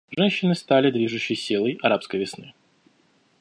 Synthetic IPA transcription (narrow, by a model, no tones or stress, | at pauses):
ʐɛnʲɕːɪnɨst̪alʲɪd̪vʲiʐʊɕːɪjsʲilˠəjɐɾapskəjvʲɪsnɨ